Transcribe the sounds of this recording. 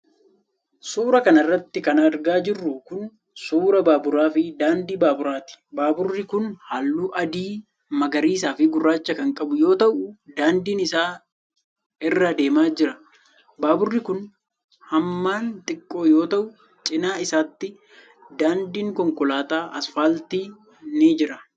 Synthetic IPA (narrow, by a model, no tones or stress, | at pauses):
suːɾɐkɐnɐrːɐt̪ːɪkɐnɐɾɡaːd͡ʒɪrːʊkʊn | suːɾɐbaːbʊɾaːfɪd̪aːnd̪iːbaːbʊɾaːt̪ɪ̥baːbʊrːɪkʊnhaːlːuːʔɐd̪iː | mɐɡɐɾiːs̬aːfɪɡʊrːaːt͡ʃːɐkɐŋkʼɐbʊjo̞ːt̪ɐʔʊd̪aːnd̪iːnɪsaː | ɪrːɐd̪e̞ːmaːd͡ʒɪɾɐ | baːbʊrːɪkʊn | hɐmːaːnt̪ʼɪkʼːo̞ːjo̞ːt̪ɐʔʊ | t͡ʃʼɪnaːɪsaːt̪ːɪ | d̪aːnd̪iːŋkɔŋkɔlaːt̪aːʔɐsfaːlt̪iː | nid͡ʒɪɾɐ